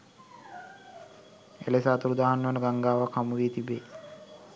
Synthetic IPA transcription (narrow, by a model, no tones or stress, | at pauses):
ḛlesaːt̪uɾud̪aːɦanːəʋanəɡaŋɡaːʋakʰamuʋiːt̪ibeː